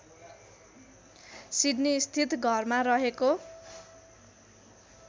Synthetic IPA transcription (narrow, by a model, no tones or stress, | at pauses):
siɖnist̪ʰit̪ɡʱʌrmaɾʌɦeko